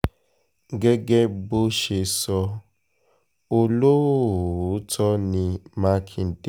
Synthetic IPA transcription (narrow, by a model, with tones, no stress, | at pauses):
ɡe˦ɡe˦bo˦ʃe˧sɔ˧ | o˦lo˦˨˦tʰɔ˦nĩ˧ma˦kʰi˨n̩˨de˦